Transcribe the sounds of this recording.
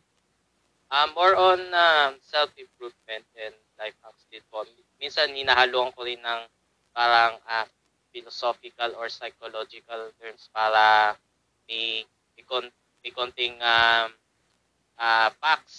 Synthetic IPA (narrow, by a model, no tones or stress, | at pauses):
ʔamːoɹʔɔnasɛlfɪmpɹuvmɛnt̪̚ɛnd̪lajfʔak̚sd̪ɪd̪̚pon | minsɐnhɪnaːhɐluːʔɐŋkoɾɪnːɐŋ | paːɾɐŋa | fɪlosofɪkɐlɔɹsɐjkolod͡ʒɪkɐlt̪ɛɹmspaːɾɐ | mɪ | ɪkon | mɪkont̪ɪŋa | ʔapak̚s